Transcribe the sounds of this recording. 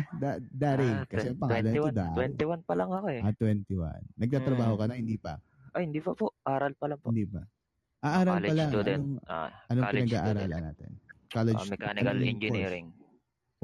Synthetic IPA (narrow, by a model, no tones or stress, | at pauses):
d̪ad̪aːɾɛjkɐsɛʔɐŋpɐŋaːlɐnwod̪awɛt̪ɪwanpɐlɐŋɐkoɐt̪wɛnt̪ɪwa̰nːɐɡ̚t̪aːt̪ɾɐbaːho̞kɐnɐhɪnd̪iːpɐ̰ | ʔɐjhɪnd̪iːpɐpoʔʔaːɾɐlpɐlɐŋpɪnd̪iːpɐ | ʔaʔaːɾɐllpɐlaŋɐɛoŋ̰ʔɐnoŋpɪnɐɡaːʔaːɾalɐ̰na̰ːt̪ɛ̰nkalod͡ʒ̪ɐnɪnd͡ʒɪoiɾɪŋ